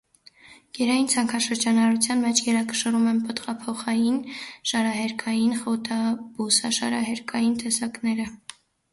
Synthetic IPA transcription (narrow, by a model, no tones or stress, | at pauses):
ɡ̥ɛɾɑjint͡sʰɑŋkʰɑʃəɾd͡ʒɑnɑɾut͡sʰjɑnmɛt͡ʃʰɡɛɾɑkə̥ʃərumɛnpət̪ʁɑpʰɔχɑjinʃɑɾɑɦɛɾkʰɑjinχɔt̪ʰɑbusɑʃɑ̰ɾɑɦɛɾkʰɑjint̪ɛsɑknɛɾə